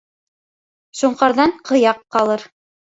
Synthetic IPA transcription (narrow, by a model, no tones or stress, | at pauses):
ʃuɴqɑɾðɑɴqʰɤ̆jɑqːɑlˠɤɾ